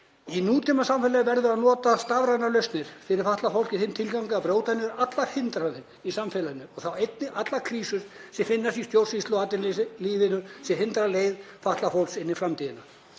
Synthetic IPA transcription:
inuːt̪ʰimasamfɛlajɪvɛɾðʏaðnɔːt̪ast̪avɾaðnalœɥst̪nɪɾ̥fɪɾɪɾ̥faht̪lafow̪l̥cɪθɪmt̪ʰɪlkawŋkaapɾoːwt̪anːɪɾat̪laɾ̥hɪnt̪ɾaɪn | isamfɛlanːʏɔɣθawejt̪nɪʔat̪lakʰɾiːsʏɾsɛfɪnːast̪ist̪jowr̥sist̪lʏaːt̪ɪnːɪliːðɪnʏsɛhɪnt̪ɾaleːjðfaht̪lafowlksɪnːɪfɾamt̪ʰiːðɪnːa

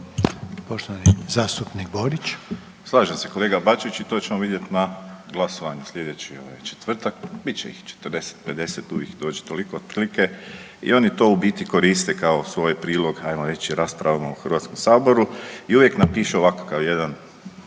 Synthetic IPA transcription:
poʃt̪oʋanizaːst̪upniɡboɾit͡ʃ | slˠaːʒamse̞ko̞leːɡabat͡ʃit͡ʃit̪oːt͡ʃe̞moʋid̪je̞t̪naɡlˠasoʋaɲuslʎʲe̞d̪et͡ɕio̞ʋajt͡ʃe̥t̪ʋr̩t̪akbitt͡ʃeḭxt͡ʃe̥t̪rd̪e̞se̥t̪̚pe̞d̪e̞set̪uʋjixd̪o̞ːt͡ʃi̥t̪olikoːd̪pɾlike | ḭo̞nit̪o̞ubiːt̪iko̞ɾist̪ekaosʋo̞ːjpɾiːlˠo̞ɡajmoɾe̞t͡ʃiɾaːspɾaʋamauxrʋaːt̪skomsaːbo̞ɾuiuʋje̞knapiːʃeoʋakḁkaʋje̞d̪an

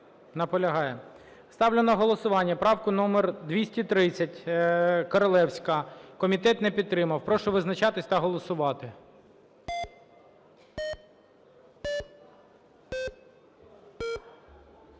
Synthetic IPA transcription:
nɐpɔlʲɐɦɑjɛ | st̪ɑwlʲɪnɐɦɔlˠɔsʊʋɑnʲːɐpɾɑwkʊnɔmerd̪ʋʲisʲtʲit̪ɾɪt͡sʲːɐtʲkɔɾɔlˠɛwsʲkɐkɔmʲit̪ɛt̪nɛpʲid̪̚t̪ɾɪmɐwpɾɔʃɔʋɪznɐt͡ʃɑt̪ɪsʲt̪ɐɦɔlˠɔsʊʋɑt̪ɪ

